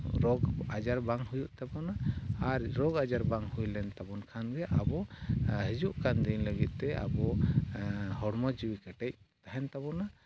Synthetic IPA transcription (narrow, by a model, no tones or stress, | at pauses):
ɾɔɡad͡ʒaɾbaŋhujuʔt̪abɔnaːɾɾɔɡad͡ʒaɾbaŋhujlɛnt̪abɔnkʰanɡɛʔabɔɦid͡ʒuʔkand̪iɲləɡit̪̚ˀt̪ɛa̰bɔ | hɔɽmɔd͡ʒiwikəʈɛc̚t̪aɦɛnt̪abɔna